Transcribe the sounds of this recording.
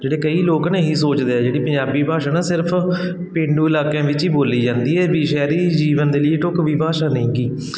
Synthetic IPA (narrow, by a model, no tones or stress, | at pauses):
d͡ʒeːɽeːkəiːloːkneːɦiːsoːt͡ʃd̪eːɛːd͡ʒeːɽiːpəɲd͡ʒaːbiːbʱaːʃaːnaːsɪɾpʰ | pẽːɳɖũːɪlaːkãːʋɪt͡ʃiːboːliːd͡ʒãːnd̪iːɛːbiːʃɛːɾiːd͡ʒiːʋənd̪eːləiːʈʊkʋiːbʱaːʃaːnəĩːɡiː